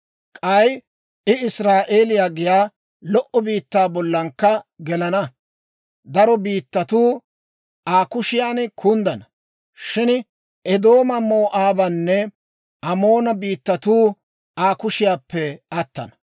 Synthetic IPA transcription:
kʼɐj | ʔɪɪsɾaːʔe̞ːlɪjaːɡɪjaː | lɔʔɔbiːt̪ːaːbɔlːɐŋkːɐɡɛlɐnɐ | d̪ɐɾɔbiːt̪ːɐt̪uː | ʔaːkʊʃɪjaːnkʰʊnd̪ɐnɐ | ʃɪn | ɛd̪o̞ːmɐmo̞ːʔaːbɐnːɛ | ɐmo̞ːnɐbiːt̪ːɐt̪uː | aːkʊʃɪjaːpːɛɐt̪ːɐ̰nɐ̥

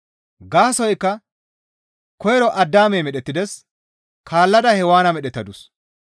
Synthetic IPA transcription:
ɡaːsɔjkːɐ | kɔjɛɾɔʔɐd̪ːaːmɛjmɛɗɛt̪ːɪd̪ɛs | kʰaːlːɐd̪ɐhɛwaːnɐmɛɗɛt̪ːɐd̪ʊs

